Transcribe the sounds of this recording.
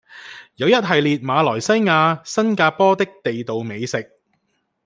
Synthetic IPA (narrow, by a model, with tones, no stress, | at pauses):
jɐ˨˧wjɐ˥t̚ɦɐ˨jliː˨t̚maː˨˧lɔː˨˩jsɐ˥jŋaː˧sɐ˥nkaː˧pɔː˥t̪ɪ˥k̚t̪e˨jt̪o˨wme˨˧jsɪ˨k̚